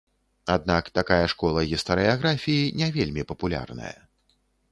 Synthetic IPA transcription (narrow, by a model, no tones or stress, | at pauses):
ad̪̚nakt̪akajɐʂkɔlˠɐɣʲist̪ɐɾɨaɣɾafʲijinʲɛvʲelʲmʲipɐpulʲa̰rnɐ̰jɐ̰